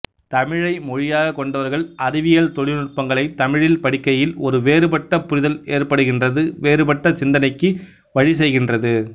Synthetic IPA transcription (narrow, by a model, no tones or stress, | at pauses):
t̪ɐmɪɻɐɪmɔɻɪjaːɣɐkːɔɳɖɐʋɐɾɣɐɭʔɐɾɪʋɪjɐɭt̪ɔɻɪnʊʈ̚pɐŋɡɐɭɐɪt̪ɐmɪɻɪlpɐɽɪkːɐjɪlɔɾɯʋeːɾɯpɐʈːɐpːʊɾɪðɐleːrpɐɽɯɣɪndrɐðɯʋeːɾɯpɐʈːɐsɪnd̪ɐnɐɪkːɯ | ʋɐɻis̬ɛjɣɪndrɐðɯ